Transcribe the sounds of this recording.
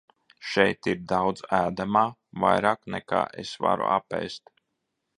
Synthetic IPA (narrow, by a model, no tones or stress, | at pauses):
ʃɛjt̪iɾd̪awd̪zæːd̪amaːva̰jɾaːknɛka̰ːʔḛsva̰ɾṵapɛ̰ːst̪